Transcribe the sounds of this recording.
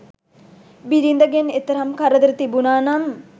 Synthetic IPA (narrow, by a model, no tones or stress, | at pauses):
biɾind̪əɡenet̪ɐɾɐmkɐɾəd̪əɾət̪ibunaːnam